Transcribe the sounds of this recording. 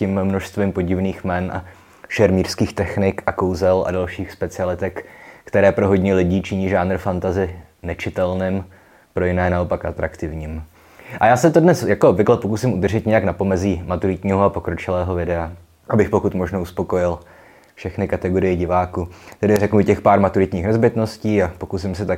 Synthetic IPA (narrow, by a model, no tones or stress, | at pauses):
cɪmmno̞ʃst̪vimpo̞ɟɪvniːxmɛnʔa̰ | ʃɛɾmiːrskiːxt̪ɛxnɪkʔakowzɛlʔa̰dalʃiːxspɛt͡sɪalɪt̪ɛkkːt̪ɛɾɛːpɾo̞ɦo̞ɟɲɛlɪɟiːt͡ʃɪɲiːʒaːnr̩fant̪azɪ | nɛt͡ʃɪt̪ɛlnɪm | pɾo̞jɪnɛːnao̞pakʔat̪ɾakt̪ɪvɲiːm | ʔajaːsɛt̪odnɛsjakoobvɪklɛpo̞kusɪmʔud̪r̩ʒɪt̪ɲɛjaknapo̞mɛziːmat̪uɾɪt̪ɲiːɦoapo̞kɾo̞t͡ʃɪlɛːɦo̞vɪdɛa | ʔabɪxpo̞kut̪mo̞ʒnouspo̞ko̞jɪl | fʃɛxnɪkat̪ɛɡo̞ɾɪjɛɟɪvaːkut̪ɛdɪrɛknuɪcɛxpaːɾmat̪uɾɪt̪ɲiːxnɛzbɪt̪no̞sciːapo̞kus̬ɪmsɪt̪a